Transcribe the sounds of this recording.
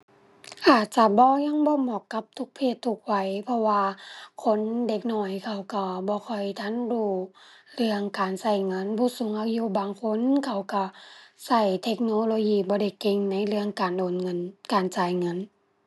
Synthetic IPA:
ʔaː˨˩t̪̚t͡ɕa˧˩bɔː˧˦ɲa˧˥˨ŋbɔː˧˦mɔː˧˨˩kːa˧˦p̚t̪ʰu˧˦k̚pʰeː˧˩t̪ʰːu˧˩k̚wa˧˩jpʰɔ˧waː˧kʰo˧˥˨nde˧˩k̚nɔː˧˩jkʰa˧˩wka˧˩bɔː˧˦kʰɔ˧˩jt̪ʰa˧˥˨nɾuː˧˩lɯ˧əŋkaː˨˩nsa˧˩jŋɤ˧˥˨nbuː˧˦su˨˦ŋʔa˧juː˧˦baː˨ŋkʰo˧˥˨nkʰa˧˩wka˧˩sa˧˩jt̪ʰe˧k̚noː˧˦loː˧jiː˧bɔː˧˦da˧˩jke˧ŋna˧˥˨jlɯ˧əŋkaː˨ndoː˨nŋɤ˧˥˨nkaː˨nt͡ɕaː˨˩jŋɤ˧˥˨n

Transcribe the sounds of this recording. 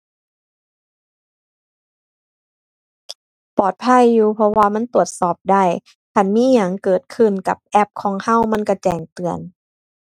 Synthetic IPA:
pɔː˨˩t̪̚pʰa˧˥˨jːuː˧pʰɔ˧waː˧ma˧˥˨nt̪u˨˩ət̪̚sɔː˨˩p̚da˧˥˩j | kʰa˧˩˨nmiː˧˥˨ɲaː˨˩ŋkɤː˨˩t̪̚kʰɯ˧˩nka˧˦p̚ʔɛ˧˥˩p̚kʰɔː˨˦ŋha˧˥˨wma˧˥˨nka˧˩t͡ɕɛː˨˩ŋt̪ɯ˨˩ən

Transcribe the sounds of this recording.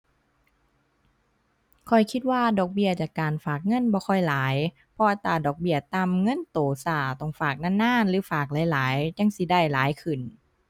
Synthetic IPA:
kʰɔ˨˩jkʰi˧˥t̪̚waː˧˩˨dɔː˨˩k̚bi˧˩ɐt͡ɕaː˨˩kːaː˨nfaː˨˩k̚ŋɤ˧˥˨nbɔː˧kʰɔ˧˩jlaː˨˦j | pʰɔ˧ʔa˧t̪ːaː˧˩dɔː˨˩k̚bi˧˩ɐt̪a˧˩˨mŋɤ˧˥˨nt̪oː˨˩saː˧˩t̪ɔ˧˩ŋfaː˨˩k̚naː˧˥˨nːaː˧˥˨nlɯː˨˦faː˨˩k̚laː˨˦jlaː˨˦jɲa˧˥˨ŋsi˧˦da˧˩jlaː˨˦jkʰɯ˨˩n

